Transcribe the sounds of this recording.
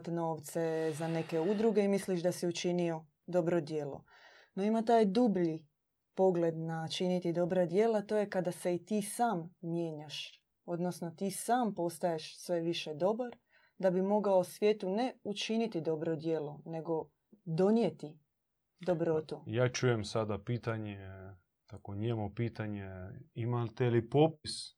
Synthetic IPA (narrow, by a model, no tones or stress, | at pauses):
t̪no̞ːʋt̪se̞zane̞keud̪ɾuɡe̞imisliʃd̪asiut͡ʃinio̞ | d̪o̞bɾo̞d̪je̞ːlo̰ | no̞imat̪aːjd̪ubʎi | po̞ɡle̞d̪nat͡ʃinit̪id̪o̞bɾad̪je̞ːlat̪o̞ːje̞kad̪ase̞it̪iːsaːmːje̞ːɲaʃ | o̞d̪nosno̞t̪iːsaːmpo̞st̪ajeʃsʋe̞ʋiʃe̞d̪o̞baɾ | d̪abimo̞ɡaosʋje̞ːt̪une̞ut͡ʃinit̪id̪o̞bɾod̪je̞ːlone̞ɡo̞ | d̪o̞njet̪i | d̪o̞bɾo̞t̪ujaːt͡ʃujemsad̪apiːt̪aɲe | t̪akoɲemupiːt̪aɲeimalt̪elipopis